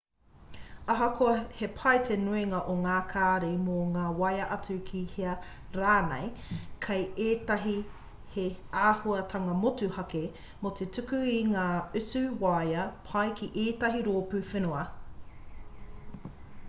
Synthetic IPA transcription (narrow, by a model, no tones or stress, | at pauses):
ɐɦɐkʰoɐhepʰɐjtʰenuiŋɐʔoŋaːkʰaːɾejmoŋaːwɐjɐʔɐt͡sʉkʰiheɐ | ɾaːnɛ̰jkʰɐjeːt̪ɐɦi | heaːhuɐtʰɐŋɐmotuhɐke | mot̪ʰetʰʉkʉiŋaːʉt͡sʉwajɐpʰɐjkʰiʔeːtɐɦiɾoːpʉfenoɐ